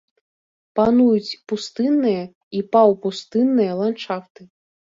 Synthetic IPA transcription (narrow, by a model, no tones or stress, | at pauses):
panujut͡sʲpust̪ɨnːɨjɐ | ipawpust̪ɨnːɨjɐlˠant͡ʂaft̪ɨ